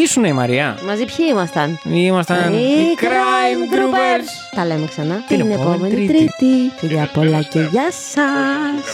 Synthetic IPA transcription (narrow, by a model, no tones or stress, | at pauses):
isuneimɐ̰ɾiɐ̰mɐzipçiimɐst̪ɐnimɐst̪ɐnikɾajmt̪ɾɾubeɾs | t̪ɐle̞meksɐnɐnepome̞nit̪ɾit̪iciɾɐpolɐceʝɐsɐs